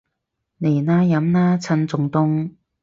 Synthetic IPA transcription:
ne˨˩jnaː˥jɐ˨˥mnaː˥t͡sʰɐ˧nt͡sʊ˨˩ŋt̪ʊ˥ŋ

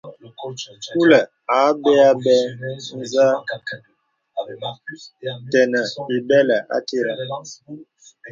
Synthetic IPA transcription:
ku˦lɛ˨ | a˨˦bɛ˦a˦bɛ˦n̩˦za˦ | tɛ˨nɛ˨i˨bɛ˦lɛ˨ʔa̰˦te˦ɾa˨

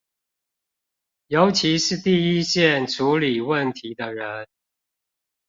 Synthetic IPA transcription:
jo˨˥ʊt͡ɕʰi˧˦ʂɻ̩˥˨t̪i˥˨i˦ɕjɛ˥˨nʈ͡ʂʰu˨˦li˨˩wə˥˨nt̪ʰi˨˦d̪ə˧ɻə˨˦n

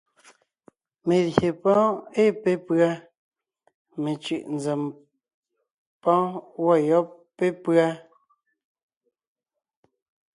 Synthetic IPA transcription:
me˨lje˨pɔ̃˦e˦pe˦pɰa˦ | me˨t͡ʃʉ˦˨ʔnd͡zɛ˨m | pɔ̃˦wɔ˦˨jɔ˦ | pːe˦pɰa˦

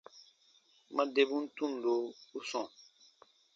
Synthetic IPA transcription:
mã˦de˦bũ˦n̩˦tũ˦n˨do˨˦u˦sɔ̃˨

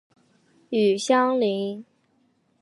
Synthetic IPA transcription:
y˨˩ɕjɑ˥ŋli˧˥ŋ

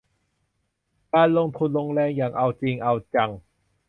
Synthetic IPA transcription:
kaː˧nlo˧ŋt̪ʰu˧nlo˧ŋlɛː˧ŋjaː˨˩ŋʔa˧wt͡ɕiː˧ŋʔa˧wt͡ɕa˧ŋ

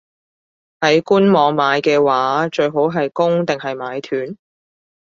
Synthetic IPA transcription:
hɐ˨˥jkuː˥nmɔː˨˧ŋmaː˨˧jkɛː˧waː˨˥t͡ʃɵ˧ɥɦo˨˥wɦɐ˨jkʊ˥ŋt̪ɪ˨ŋɦɐ˨jmaː˨˥jt̪ʰyː˨˥n

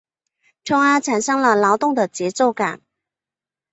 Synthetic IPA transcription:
ʈ͡ʂʰʊ˥ŋa˥ʈ͡ʂʰa˨˩nʂɤ˥ŋlə˨lɑ˧˥ʊt̪ʊ˥˩ŋd̪ə˨˩t͡ɕjɛ˧˥t͡so˥˩ʊka˨˩˦n

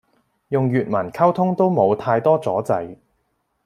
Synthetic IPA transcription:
jʊ˨ŋjyː˨t̚mɐ˨˩nkʰɐ˥wt̪ʰʊ˥ŋt̪o˥wmo˨˧wt̪ʰaː˧jt̪ɔː˥t͡sɔː˨˥t͡sɐ˨˥j

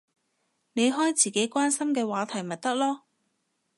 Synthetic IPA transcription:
ne˨˧jɦɔː˥jt͡siː˨˩ke˨˥jkʷaː˥nsɐ˥mkɛː˧waː˨˥t̪ʰɐ˨˩jmɐ˨t̚t̪ɐ˥k̚lɔː˥

